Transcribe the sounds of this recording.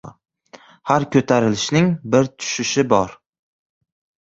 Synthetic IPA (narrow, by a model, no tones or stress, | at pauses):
haɾkʲʰɵt̪ʰaɾɪlɪʃnɪŋbɪɾt̪ʰʊ̥ʃɪʃɪbɒɾ